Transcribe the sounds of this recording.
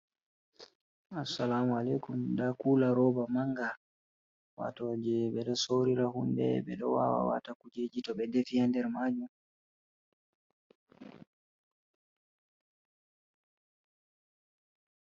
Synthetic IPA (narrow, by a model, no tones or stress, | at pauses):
asːalamalɛkumdakuːlaɾɔbamaŋɡa | wa̰tɔːd͡ʒɛɓɛɗɔsoɾiɾahundɛ̰bɓɛɗɔwa̰wa̰wa̰ːtakud͡ʒeːd͡ʒitɔɓɛdefijandɛɾmaːd͡ʒum